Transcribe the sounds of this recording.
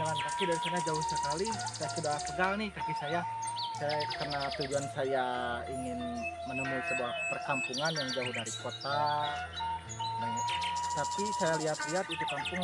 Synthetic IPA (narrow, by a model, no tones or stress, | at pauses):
d͡ʒalankakɪdaɾisanad͡ʒaʊhsəkalisajasudasəɡalnɪhkakɪsaja | sajakərnat̪ud͡ʒuansajaiŋɪnmənəmuisəbuahpərkampuŋanjaŋd͡ʒaʊhdaɾikot̪a | nat̪apisajaliɦat̪liɦat̪̚it̪ukampʊŋ